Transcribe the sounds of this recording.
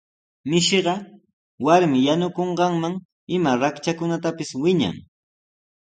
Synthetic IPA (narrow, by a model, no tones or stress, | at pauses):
mɪʃɢɑ | waɾmɪjanʊkoɴɢɑŋmaŋ | ɪmaɾakt͡ʃakʊnat̪apɪswɪɲa̰ŋ